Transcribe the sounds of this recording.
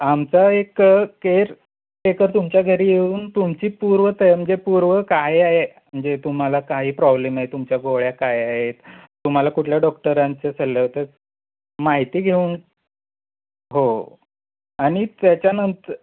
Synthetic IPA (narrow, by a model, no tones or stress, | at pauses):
amt͡saekkeɾ | ʈekəɾt̪umt͡ɕjaɡʱəɾiːjeuːnt̪umt͡ɕiːpuɾʋət̪əm̤əɳd͡zepuɾʋəkajaɦem̤əɳd͡zet̪um̤alakaɦiːpɾɔblemaɦet̪umt͡ɕjaɡoɭjakajaɦet̪ː | um̤alakuʈʰljaɖɔk̚ʈəɾaɲt͡sesʰəlːeɦot̪ə | maɦit̪iːɡʱeuːn | ɦo | aɽ̃it̪jat͡ɕjanənt̪əɾ